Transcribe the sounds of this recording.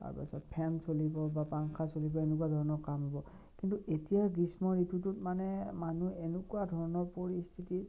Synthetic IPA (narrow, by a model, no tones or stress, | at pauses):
ta̰ɹpa̰sɔ̰t̚pʰɛnsolibɔbapaŋkʰasolibɔenekuadʱɔɹɔnɔkamɦɔbɔ | kintuʔetijaɹɡismɔɹitututmanɛmanuenukuadʱɔɹɔnɔɹpoɹistʰiti